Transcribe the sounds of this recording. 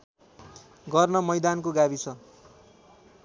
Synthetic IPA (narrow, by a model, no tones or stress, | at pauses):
ɡʌrnʌmʌjd̪ankoɡabit͡sʰʌ